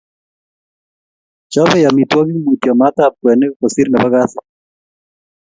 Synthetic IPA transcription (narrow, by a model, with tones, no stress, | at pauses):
t͡ʃɔ˦bɪ˦ja˨mi˨t̪wɔ˦ɡi˦mu˨t̪jɔ˨ma˦t̪a˦p̚kwɛ˨ne˦ko˨si˦ɾnɛ˨ba˦ɡa˦sɔ˨